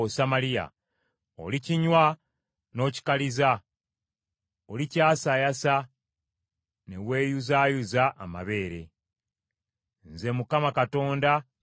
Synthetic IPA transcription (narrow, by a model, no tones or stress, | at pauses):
osamalija̰ | o̞̰liciɲwa | no̞ːci̥kaliza | olicaːsajasa | ne̞we̞ːjuzajuzaʔa̰ma̰βe̞ːɾe̞ | nze̞mukamakato̞ːnda